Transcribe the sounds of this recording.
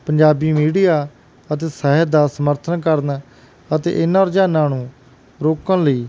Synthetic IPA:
pəɲd͡ʒaːbiːmiːɖijaː | ət̪eːsəːɦɛd̪aːsəməɾt̪ʰənkəɾn | ət̪ḛːʔɪnãːɾd͡ʒaːnãːnũː | ɾoːkənləiː

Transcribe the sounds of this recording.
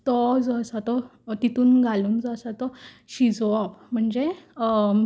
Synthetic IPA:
t̪ɔd͡zəsat̪ɔt̪it̪uːnɡʱalumd͡zəsat̪ɔ | ɕid͡zɔɔpm̤əɳd͡ze

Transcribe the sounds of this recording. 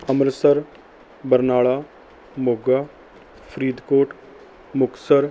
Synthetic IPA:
əmɾsəɾ | bəɾnaːɭaː | moːɡaː | pʰɾiːd̪koːʈ | mʊksəɾ

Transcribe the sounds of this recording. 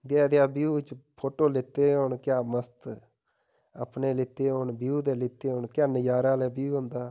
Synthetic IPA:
d̪ɛːd̪ɪjaːbiuːt͡ʃpʰoːʈoːlɪt̪ːeːɦoːɳkɪjaːməst̪ | ə̰pneːlɪt̪ːeːɦonbiuːd̪eːlɪt̪ːeːɦonkɪjaːnəjaːɾaːlɛːbiuːɦʊ̃nd̪aː

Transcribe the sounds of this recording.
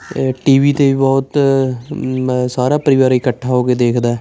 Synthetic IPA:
ʈiːʋiːt̪eːʋibɔːt̪ | saːɾaːpəɾɪʋaːɾɪkəʈʰːaːɦoːked̪eːkʰd̪aːɛ

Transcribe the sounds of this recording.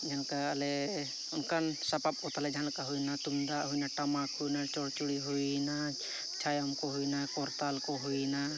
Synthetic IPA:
d͡ʒankaalɛ | ʊnkansapap̚ɔt̪alɛd͡ʒɦalkaɦujnat̪umd̪aʔɦujnaʈamakhujnat͡ʃɔɽt͡ʃuɽiɦujna | t͡ʃʰajamkɔɦujnakɔɾt̪alkɔɦujna

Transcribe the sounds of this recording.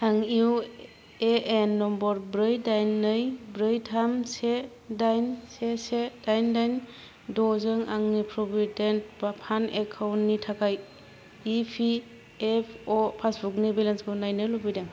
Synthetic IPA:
haŋiw | eenːɔmbɔɾbɾɯjdajnːɯjbɾɯjtʰamse | dajnsesed̥ajndajn | dɔzɯŋaŋnipʰɾɔbident̚bapʰanekʰawntːitʰakʰaj | ipʰi | epʰɔpʰasbuk̚nebelanskʰɯwnajnɯlobijdaŋ

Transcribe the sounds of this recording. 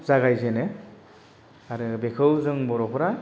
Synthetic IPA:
zaɡajzenɯ | aɾɯbekʰɯwzɯŋmɔɾɔpʰɾa

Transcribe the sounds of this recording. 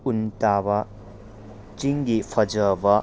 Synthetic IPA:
untabɐ | t͡ʃiŋɡipʰɐd͡ʒəbɐ

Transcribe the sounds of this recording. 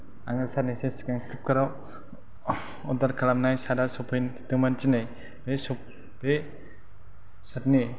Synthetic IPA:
aŋɯsaneseskaŋkʰɯp̚kʰaɾa | ɔdaɾkʰalamnajsadasɔpʰɔjntɯmant͡ʃinaj | besɔp̚ | b̥e | satni

